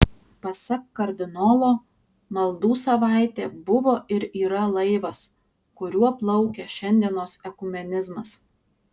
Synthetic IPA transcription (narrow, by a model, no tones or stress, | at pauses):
pɐsɐkːɐɾʲd̪ʲɪnɔːlˠoː | mɐlˠd̪uːsɐʋɑˑɪt̪ʲeːbʊʋoːʔɪɾiːɾɐlˠɐɪʋɐs | kʊɾʲuɔplˠɐʊkʲɛʃʲɛnʲd̪ʲiɛnoːsɛkʊmʲɛnʲɪzmɐs